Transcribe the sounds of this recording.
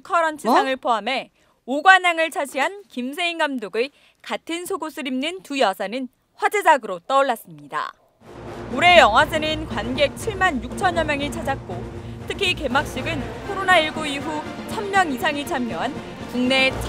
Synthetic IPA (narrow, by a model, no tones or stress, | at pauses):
kʰʌɾʌnt͡ɕʰisaŋɯɭpʰoɦame̞ | oɡwanaŋɯɭt͡ɕʰad͡ʑiɦankims̬ʰe̞iŋɡamdoɡɯ | katʰɯnsʰoɡosʰɯɾimnɯntujʌsʰanɯn | ɸwad͡ʑed͡ʑaɡɯɾot͈ʌɭːas͈ɯmɲida̰ | uɾe̞jʌŋɦwasʰenɯnkwanɡe̞k̚t͡ɕʰiɭmanjuk̚t͡ɕʰʌɲjʌmjʌŋit͡ɕʰad͡ʑak̚k͈otʰɯkʰike̞mak̚ɕ͈iɡɯnkʰoɾonaiɭɡuiɦu | sʰamːjʌŋis̬ʰaŋit͡ɕʰamjoɦan | kuŋne̞t͡ɕʰ